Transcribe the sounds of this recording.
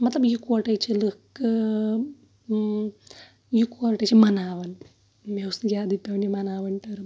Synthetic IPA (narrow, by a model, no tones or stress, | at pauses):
mɐt̪lɐbjikoʈɐjt͡ʃʰilɨkː | jikoɾʈɐt͡ʃʰimɐnaːʋɐn | mewsɡʲaːd̪ipʲːɐʋnimɐnaːʋɐɳʈɐɾɨ